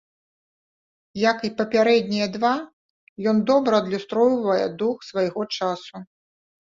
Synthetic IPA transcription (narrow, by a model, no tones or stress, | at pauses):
jɐkipɐpʲaɾɛd̪ʲnʲijɐd̪va | jɔnd̪ɔbɾɐɐd̪lʲust̪ɾɔjvɐjɛ̰d̪uxsvɐjɣɔt͡ʂasu